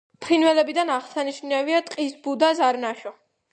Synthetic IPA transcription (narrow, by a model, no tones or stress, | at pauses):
pʰɾinvɛlɛbid̪anaʁsaniʃnaviat̪ʼqʼisbud̪azaɾnaʃɔ